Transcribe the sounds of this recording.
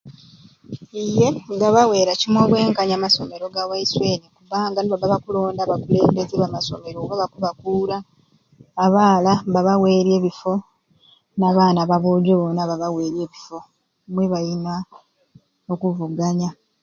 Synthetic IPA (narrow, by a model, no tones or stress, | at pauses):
ije̞ŋɡaβawe̞ːɾacimwo̞ːβwe̞ːŋkaɲamaso̞me̞ɾo̞ɡawaiswe̞nikubaːŋɡanoβaβaβakulo̞ːndaβakule̞ːmdezeβamaso̞̰me̞ɾoβaβakuβakuːɾaː | βaːlaβaβawe̞ːɾe̞ːβifo̞ | naβaːnaβaβoːɟoβonaβaβawe̞ːɾje̞ːβifo̞ | mweβajina | okuvuɡaɲa